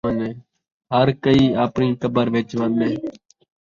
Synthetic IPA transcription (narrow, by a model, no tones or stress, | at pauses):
ənẽː | ɦəɾkəiːaːpniːkəbəɾʋeːt͡ʃʋəneː